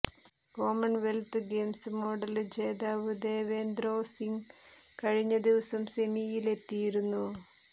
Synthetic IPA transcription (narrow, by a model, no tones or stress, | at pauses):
ko̞ːmɐɳʋelt̪ɨɡe̞ːmsɨmo̞ɖɐld͡ʑeːd̪aːʋud̪e̞ːʋe̞ːnd̪ɾoːsiŋ | kɐɻiɲːɐd̪iʋɐsɐmsemijile̞t̪ːijiɾunːu